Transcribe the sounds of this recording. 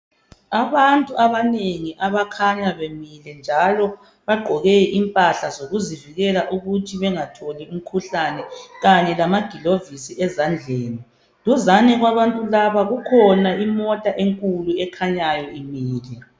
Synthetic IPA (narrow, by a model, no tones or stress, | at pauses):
aβantʼuʔaβaneŋiʔaβakʰaɲaβemilɛnd͡ʒʱalɔ | βaɡ͡ǃʱɔɣeʔimpʼaɬazoɣuziviɣɛlaʔuɣutʰiβɛŋatʰolium̩kʰuɬanɛɣaɲɛlamaɡ̥ʱilovisiʔɛzand͡ɮʱeːni | luzanɛɣwaβantʼulaβaɣukʰɔnaimɔtʼaʔeŋkʼuluɛkʰaɲajɔimiːlɛ